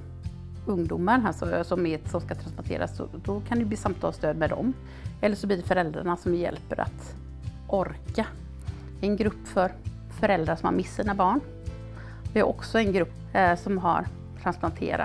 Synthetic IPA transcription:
ɵŋd̪uːmaɾɦæʂɔsɔmɪt̪sɔmskat̪ʰɾansplant̪ʰḛːɾa̰sɔ̰d̪ɔkʰand̪ɛjb̪iːsamt̪ʰɑ̰ːlst̪øːd̪mɛd̪ɔ̰m | ɛlːəʂɔbliːɖɛfœɾɛld̪ɾa̰ɳasɔmjjɛ̰lpːəɾa̰t̪ | ʔɔɾka | ɛnɡɾɵpːfœɾ | fœɾɛld̪ɾaʂɔmha̰ɾmɪsːiːnabɑːɳ | d̪ɛæɾʔɔksɔɛnɡɾɵpːsɔmɦa̰ɾ | t̪ʰɾansplant̪ʰḛːɾa̰

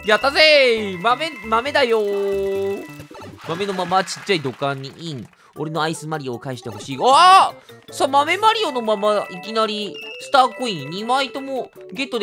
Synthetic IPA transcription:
jat̪ːazemame̞mame̞d̪ajo | mame̞no̞mamat͡ɕi̥t͡ɕːaid̪o̞kãɲ̟ːḭʔĩɴ | o̞̰ɾe̞noaisɨmaɾʲioːkaiɕi̥t̪eho̞ɕiːa | samame̞maɾʲio̞no̞mãmːaikʲinaɾʲisɨ̥t̪aːkoĩɲːimait̪o̞mo | ɡe̞t̪ːod̪

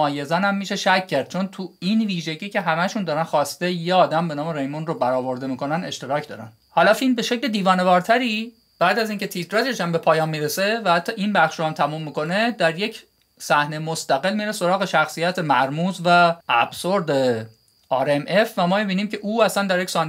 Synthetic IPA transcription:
ɒːje̞zænæmːiːʃe̞ʃæcʰːæɾd̪̥̚t͡ʃʰo̞nt̪ʰuinviːʒe̞ɟiːcʰe̞ɦæmæʃund̪ɒːɾænxɒːst̪ejeɒːd̪æmbe̞nɒːme̞ɾejmunrobæɾɒːvo̞ɾd̪e̞miːkʰo̞næne̞̰ʃt̪e̞ɾɒːcʰd̪ɒ̰ːɾæ̰n | hɒːlɒːfilmbe̞ʃe̞cled̪iːvɒːne̞vɒːɾt̪ʰæɾiː | b̥æːd̪æziːŋcʰe̞t̪ʰit̪ʰɾɒd͡ʒeʃæmbe̞pʰɒːjɒːmːiːɾese̞væhæt̪ʰːɒːʔinbæχʃɾohæmt̪ʰæmumːiːko̞ne̞d̪æɾje̞cʰ | sæhnemost̪æɣe̞lmiɾeso̞ɾɒːɣe̞ʃæxsijæt̪ʰemæɾmuːzvæːb̥soɾd̪e | ɒːɾeme̞fvæmɒːmibiːniːmcʰe̞ʔuːæsænd̪æɾjecʲsɒːn

